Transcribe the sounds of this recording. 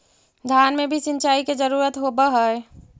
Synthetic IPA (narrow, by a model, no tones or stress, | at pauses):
d̪ʱjaːnmẽbʱisɪ̃nt͡ʃaːiked͡ʒəɾuːɾət̪ɦobəɦəj